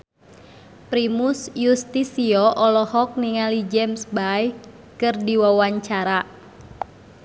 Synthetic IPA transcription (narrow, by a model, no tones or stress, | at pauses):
pɾimusjust̪isiɔʔɔlɔhɔk̚niŋalid͡ʒɛmsbaj | kɨrdiwawaɲt͡ʃaɾa